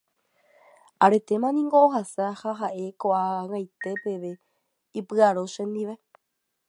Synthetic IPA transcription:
aɾe̞t̪e̞mãnĩŋɡoːɦasahaɦaʔe̞koʔaŋajt̪e̞pe̞ʋe̞ | ipɨaɾoʃẽ̞nd̪iʋe̞

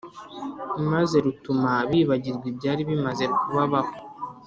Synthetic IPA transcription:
maze̞ɾutumaβiːβaɟiɾɡwibɟaːɾiβimaze̞kuβaβako

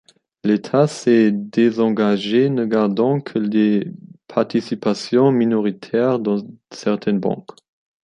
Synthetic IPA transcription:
let̪ʰasɛd̪ezɑ̃ɡaʒenəɡaʁd̪ɑ̃kʰəlepʰaʁt̪isipasjɔ̃minɔʁit̪ʰɛːʁd̪ɑ̃sɛʁt̪ʰɛnbɑ̰̃k

